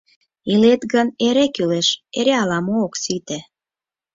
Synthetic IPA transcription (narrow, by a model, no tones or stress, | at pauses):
ilet̪ɣəneɾekyleʃeɾeɑlɑmoːksit̪ĕ